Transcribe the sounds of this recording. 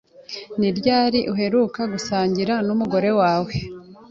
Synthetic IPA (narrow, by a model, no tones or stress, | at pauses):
niɾɟaːɾiʔuɦe̞ɾukaɡusaːɲɟiɾanumuɡo̞ɾe̞waːwe̞